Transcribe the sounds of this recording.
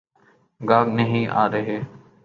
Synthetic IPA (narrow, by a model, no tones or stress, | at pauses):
ɡaːɡnəɦĩːʔa̰ːɾəɦeː